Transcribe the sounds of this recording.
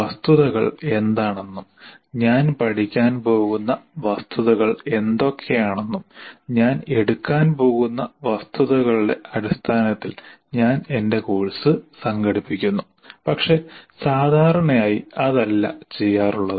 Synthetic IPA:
ɐst̪uðɐɣɐ̰ɭe̞nd̪aːɳe̞nːumɲaːnpɐʈikʲːaːnpo̞ːɣunːɐʋɐst̪ʰuðɐɣɐɭe̞nd̪o̞kʰːe̞jaːɳe̞nːumɲaːne̞ɽukːaːnpo̞ːɣunːɐʋɐst̪uðɐɣɐɭuɽe̞ʔɐɾist̪ʰaːnɐt̪ːil | ɲaːne̞nde̞koːɻsɨsɐŋɡɐɽipːikʲːunːu | pɐkʂe̞saːd̪ʱaːɾɐɳɐjaːjiɐðɐlːɐ̰t͡ɕe̞jːaːruɭːɐðɨ

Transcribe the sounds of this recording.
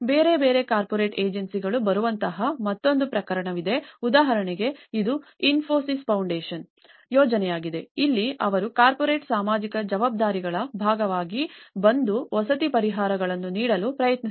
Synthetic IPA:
beːɾe̞beːɾe̞kaːɾpoɾeːʈeːd͡ʒɐnsiɡɐɭubɐɾuʋɐnt̪ɐɦɐmɐt̪ːo̞nd̪upɾɐkɐɾɐɳɐʋid̪e̞ud̪aːɦɐɾɐɳɛɡe̞id̪uinfʰoːsispɐwɳɖeːʃɐn | jɔːd͡ʒɐnɛjaːɡid̪e̞ilːiɐʋɐɾukaːɾpɔɾe̞ːʈsaːmaːd͡ʒikɐd͡ʒɐʋaːb̚d̪aːɾiɡɐɭɐbʱaːɡɐʋaːɡibɐnd̪uʋɔsɐt̪ipɐɾiɦaːɾɐɡɐɭɐnːuniːɽɐlupɾɐjɐt̪ni

